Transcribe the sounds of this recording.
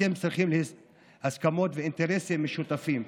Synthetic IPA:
emt͡sʁiχimle | haskamo̞t̪veint̪eʁesemːeʃut̪afim

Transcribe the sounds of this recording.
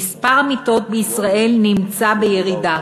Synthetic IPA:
ispaʁamit̪o̞t̪̚beisʁae̞lnimt͡sabejeʁida

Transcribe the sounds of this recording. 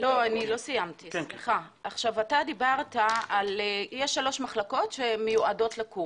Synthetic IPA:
lo̞anilo̞sijamtieχa | aχʃavatadibaʁtaaljeʃːalo̞ʃmaχlako̞tʃemejuʔado̞tlaku

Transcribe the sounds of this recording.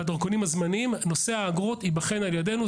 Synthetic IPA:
ad̪aʁkonimhazmanimno̞se̞aːɡʁot̪ibaχe̞naljade̞nu

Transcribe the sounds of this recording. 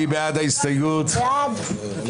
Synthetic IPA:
ibædðeɪstɪɡʊd̥

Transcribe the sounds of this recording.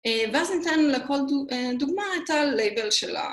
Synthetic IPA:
eveaznit̪anuleko̞ldued̪uɡmaet̪alejbelʃela̰

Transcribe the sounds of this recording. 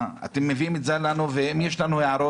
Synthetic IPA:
a̰t̪emːeviimezalanuvehemjeʃlanuheʕaɾo

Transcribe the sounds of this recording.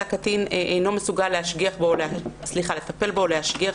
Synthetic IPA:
akatineʔejno̞mesuɡalːehaʃɡiaχboleasliχale̞t̪ape̞lbo̞leaʃɡia

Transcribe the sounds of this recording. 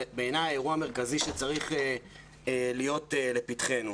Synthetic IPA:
beenajaeʁuame̞ʁkaziʃet͡saʁiχe | lijo̞tele̞pitχe̞nu

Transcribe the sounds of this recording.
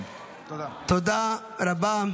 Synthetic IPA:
t̪od̪aː | ɾɐbaːm

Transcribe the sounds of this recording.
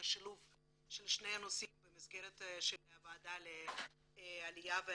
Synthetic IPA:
aʃiluv | ʃelʃne̞janosimbemizɡeʁet̪ʃeleavaːd̪ale | alijave

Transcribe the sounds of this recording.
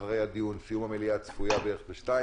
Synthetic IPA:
aʁe̞jhad̪iunsijumameliat͡sfujabeeeχbeʃtai

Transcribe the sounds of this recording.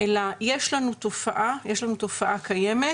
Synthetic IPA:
elajeʃlanut̪o̞faʔajeʃlanut̪o̞faʔakʰaje̞me

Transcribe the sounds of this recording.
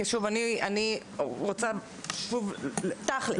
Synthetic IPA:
eʃuvaniani | ʁot͡sa | ʃuvlt̪aχl

